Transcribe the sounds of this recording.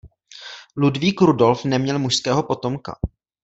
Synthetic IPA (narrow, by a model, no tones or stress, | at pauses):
ludviːkɾudo̞lfnɛmɲɛlmuʃskɛːɦo̞po̞t̪o̞mka̰